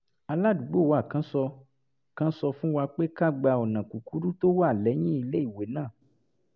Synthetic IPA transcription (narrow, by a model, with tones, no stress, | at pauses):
a˧la˦du˨˦ɡ͡bo˦˨wa˨kã˨˦sɔ˧ | kã˦sɔ˧fũ˦wa˧k͡pe˦ka˦˨ɡ͡ba˧ɔ˨nã˨ku˨ku˨˦ɾu˦to˦wa˦˨lɛ˨˦j̃ĩ˦i˧le˦i˦˨we˨˦nãː˦˨